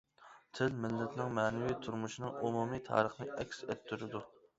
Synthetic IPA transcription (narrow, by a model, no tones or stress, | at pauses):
t̪ʰɪlmɪlːɛt̪ʰnɪŋmɛnɪwit̪ʰuɾmuʃinɨŋomumit̪ʰɑ̰ːɾəχnɨʔɛkʲsɛt̪ʰːyɾɪd̪u